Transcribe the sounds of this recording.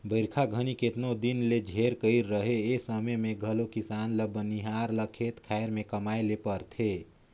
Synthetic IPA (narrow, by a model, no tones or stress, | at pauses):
bəɪɾkʰaɡʱəniket̪nod̪inled͡ʒʱeɾkəɪɾːəɦeesəməmẽɡʱəlokisanləbːəniɦaɾləkʰet̪kʰaeɾmẽkəmajlepəɾt̪ʰe